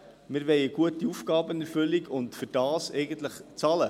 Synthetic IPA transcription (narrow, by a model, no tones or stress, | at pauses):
mɪːɾʋɛjəɡ̥uətiufɡ̥ɑːbənɛɾfʏliɡʊntfʏɾd̥ɑːsɛɪɡəntləχt͡sɑlə